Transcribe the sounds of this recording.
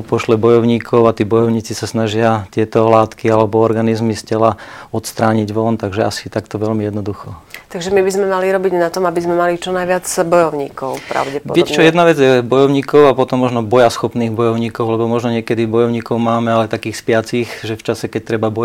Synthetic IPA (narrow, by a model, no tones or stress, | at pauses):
pɔʃlɛbɔjɔʊɲiːkʰɔʊat̪iːbɔjɔʊɲiːt͡sisasnaʒɪat̪ɪɛt̪ɔlaːt̪kialɛbɔɔɾɡanizmiscɛlaɔt̪st̪ɾaːɲiɟʋɔnt̪aɡʒɛasi̥t̪akt̪ɔʋɛlmijɛd̪nɔd̪uxɔt̪aɡʒɛmibizmɛmaliɾɔbiɟnat̪ɔmabizmɛmalit͡ʃɔnajʋɪad͡zbɔjɔʊɲḭːkɔʊpɾa̰ʊɟɛpɔdɪɛct͡ʃɔjɛd̪naʋɛd͡zjɛbɔjɔʊɲiːkɔʊapɔt̪ɔmːɔʒnɔbɔjasxɔpniːɣbɔjɔʊɲiːkɔʊlɛbɔmɔʒnɔɲɪɛkɛd̪ibɔjɔʊɲiːkɔʊmaːmɛalɛt̪akiːxspɪat͡siːxʒɛft͡ʃasɛkɛc̚t̪ɾɛbabɔ